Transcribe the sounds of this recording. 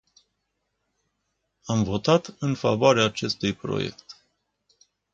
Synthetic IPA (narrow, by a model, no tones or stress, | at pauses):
amvo̞t̪at̪ɨnfa̰voaɾeaːt͡ʃe̞st̪ujpɾo̰je̞̰kt̪